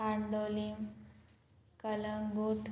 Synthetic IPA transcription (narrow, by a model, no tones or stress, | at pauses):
aɳɖolim | kələŋɡuʈ